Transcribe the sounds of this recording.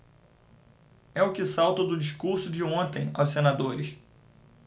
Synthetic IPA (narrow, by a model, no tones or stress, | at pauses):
ɛʊkɪsawt̪ɐd̪ʊd͡ʒiʃkuɾsʊd͡ʒɪõnt̪ẽj̃a̰wsenad̪oɾɪs